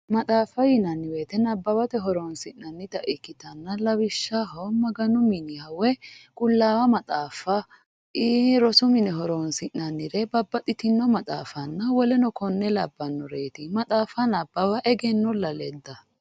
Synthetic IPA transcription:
mɐt̪ʼaːfɐjɪnɐnːɪweːt̪ɛnɐbːɐbɐt̪ɛɦɔɾonsɪʔːɐnːɪt̪ɐʔɪkːɪt̪ɐnːɐlɐwɪʃːɐɦɔmɐɡɐnʊmɪnɪhɐwɛkʼʊlːaːwɐmɐt̪ʼaːfɐ | iɾɔsʊmɪnɛɦɔɾoːnsɪʔnɐnːɪɾɛbɐbːɐt̪ʼɪt̪ɪnːɔmɐt̪ʼa̰ːfɐnːɐwɔlɛnɔkɔnːɛlɐbːɐnːɔɾeːt̪ɪmɐt̪ʼaːfɐnɐbːɐwɐʔɛɡɛnːɔlɐlɛd̪ːɐ

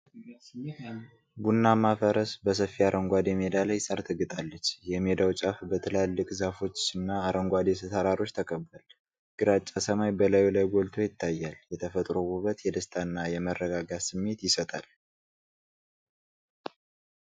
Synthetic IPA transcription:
ɡunːamafəɾəsbəs̬əfiaɾʔəŋɡʷad̪jɛmed̪aləjsʼəɾt̪ʰɨɡɨt̪ʼalːət͡ʃːjɛmed̪awt͡ʃʼafbət̪ʰɨlalːɨkʼzafo̞t͡ʃːɨnːaːɾəŋɡʷad̪esət̪aɾaɾo̞t͡ʃːt̪ʰəkʰʼəbːəl | ɡ̥ɨɾat͡ʃʼːasəmajbəlajlajɡʷolt̪ʰo̞jɪt̪ʰːajːaljɛt̪ʰəfət̪ʼɾoɡuβət̪jɛd̪əst̪ʼʰanːajɛmərːəɡaɡasɨmːe̞t̪jɪsət̪ʼal

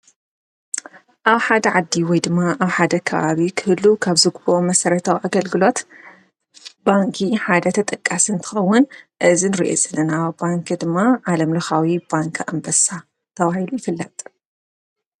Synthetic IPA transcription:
ʔaβħad̪ɐʕad̪ːiwɔjd̪ɨmːaʔaβħad̪ɐkʰɐβa̰βikʰɨhɨlːukʰaβzɨɡβomɐsɐɾɐt̪ʰawʔaɡɐlɡɨlo̞t̪ | baŋkʰiħad̪ɐt̪ʰɐt̪ʼɐkʼːasɨnt̪ʰɨ̥xɐwːʊnʔɨzinɨɾiʔo̰zɐlːɐnabaŋkd̪ɨmːaʕalɐmlɐxawibaŋkʰa̰mbɐsa | t̪ʰɐβahilujɪfɨlːɐt̪ʼ

